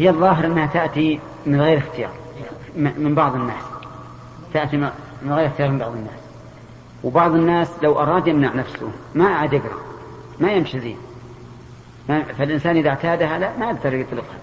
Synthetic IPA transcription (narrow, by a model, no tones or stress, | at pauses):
hɪjːaðˤːɑːɦɪɾʔɪnːhat̪aʔt̪i | mɪnɣeːɾɪxt̪ɪjɑ̰ːɾˤ | mmɪmbɑʕðˤɨnːaːs | t̪aʔt̪imɪnɣeːɾɪxt̪ɪjɑːɾmɪmbɑʕðˤɨnːaːs | wbɑʕðˤɨnːaːslawʔɑ̰ɾˤɑːd̪jɪmnaʕnafsʊ̰maʔaʕad̪jɪɡɾˤɑ̰ | majɪmʃizḭː | mafalʔɪnsaːnʔɪðaʕt̪aːd̪ɦalaʔmaʔaɡ̚d̪ɑɾˤjɨt̪ˤlɪqha̰